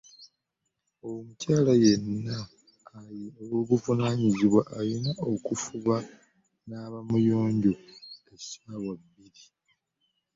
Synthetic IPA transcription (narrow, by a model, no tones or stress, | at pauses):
owmucaːlaje̞nːaː | iwoβuvunaɲiziβwaʔːjinao̞kufuβa | naβamujo̞ːɲɟo̞esaːwabːiɾi